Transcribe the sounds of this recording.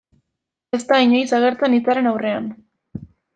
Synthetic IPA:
e̞st̪aiɲojsaɣ̞e̞ɾt͡senit͡saɾe̞nawre̞an

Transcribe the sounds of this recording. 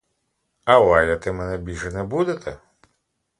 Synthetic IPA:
ɐwajɐt̪ɛmɛnɛbʲilʲʒɛnɛbud̪et̪ʰɛ

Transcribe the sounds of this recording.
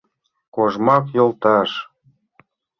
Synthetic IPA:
koʒmɑkjolt̪ɑʃ

